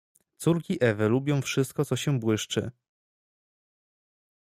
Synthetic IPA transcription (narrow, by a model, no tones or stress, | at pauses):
t̪suɾkʲiʔɛvɘlubʲjɔ̃w̃fʂɘst̪̚kɔt̪sɔɕɛbwɘʂt͡ʂɘ̰